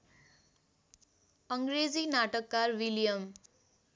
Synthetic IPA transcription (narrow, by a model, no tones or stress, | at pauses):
ʌŋɡɾed͡zinaʈʌkːarwiljʌm